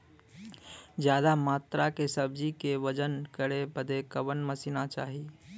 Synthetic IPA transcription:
d͡ʒjad̪amaːt̪ɾakesəb̚d͡ʒikeʋəd͡ʒənkəɾebəd̪ekəbənməsinat͡ʃa̰ːɦi

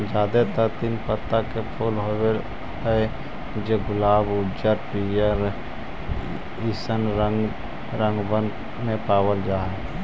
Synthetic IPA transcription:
d͡ʒaːd̪et̪ət̪inpət̪ːakepʰoːlɦoe | ɦɛ | d͡ʒeɡʊlaːbʊd͡ʒəɾpijəɾ | isənɾəŋɡ | ɾə̃ŋɡbən | mepaːbəld͡ʒaːɦɛ

